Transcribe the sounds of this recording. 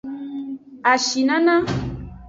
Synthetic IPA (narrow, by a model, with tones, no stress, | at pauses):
a˨ʃi˨nã˦nã˦